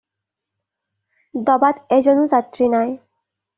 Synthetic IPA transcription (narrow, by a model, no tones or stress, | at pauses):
d̪ɔbad̪ezonuzat̪ɾinaj